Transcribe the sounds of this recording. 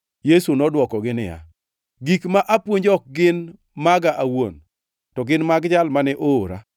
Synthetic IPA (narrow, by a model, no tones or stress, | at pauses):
jesunɔdwɔkɔɡɪnɪja̰ | ɡikmaʔapwoɲd͡ʒɔk̚ɡɪn | maɡaʔawo̰n | tɔɡɪnmaɡd͡ʒalmanɛʔooɾa̰